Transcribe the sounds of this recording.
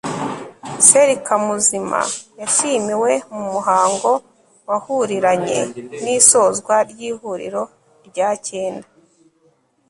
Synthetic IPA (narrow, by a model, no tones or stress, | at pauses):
iseɾikʰamuzima̰jaʃimiwe̞mumuɦaːŋɡo̞ | wahuɾiɾaɲe̞̰niːso̞ːzɡwaɾɟiːhuɾḭɾo̞ | iɾɟaːce̞ːnda